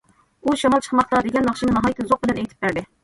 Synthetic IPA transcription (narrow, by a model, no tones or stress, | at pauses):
uʃɑmɑlˠt͡ʃʰə̥χmɑχlˠɑd̪eɡʲɛnːɑχʃimnɑɦɑjit̪ʰːɨzoq̚bɪlɛnɛjt̪ʰɪ̥p̚bæɾd̪ɪ